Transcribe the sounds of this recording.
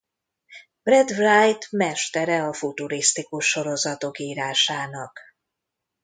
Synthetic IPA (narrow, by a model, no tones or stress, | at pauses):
brɛd̪vrajt̪mɛʃt̪ɛɾɛɒfut̪uɾist̪ikuʃːo̞ɾo̞zɒt̪o̞kiːɾaːʃaːnɒk